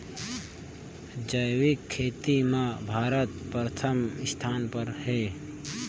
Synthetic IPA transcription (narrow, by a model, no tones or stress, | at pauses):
d͡ʒəjwɪkʰːeːt̪imãbʱaːɾət̪̚pɾət̪ʰəmɪst̪ʰaːnpəɾheː